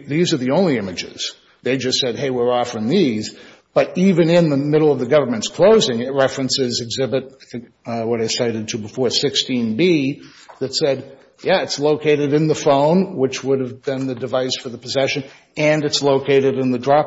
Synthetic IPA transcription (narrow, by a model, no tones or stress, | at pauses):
ðizə˞ðiõʊ̃nliɪ̃mɨd͡ʒɪ̰z̥ | ðeɪd͡ʒʌstsɛd̚ɦeɪwɪ˞ɔfə˞ɪ̃ŋðiz | b̥ʌɾivɨ̃nɪ̃nðɨmɪɾl̩ˠʌvðɨɡʌvə˞mɨ̃ntskʰl̥oʊzɪ̃ŋɨt̚ɹɛfɹɨ̃nsɪzɨɡzɪbɨt̚aɪθɪ̃ŋk | wʌɾaɪsaɪɾɨd̚tʰɨbəfɔɹsɪkstĩnbi | ðɨtsɛd̚ | jæɨtsloʊkʰeɪɾɨɾɨ̃nðəfõʊ̃nwət͡ʃwʊɾɨvbɨ̃nðɨdɨvaɪsfə˞ðəpʰɨzɛʃɨ̃n | ɨ̃nɨtsloʊkʰeɪɾɨɾɨ̃nðɨdɹɑp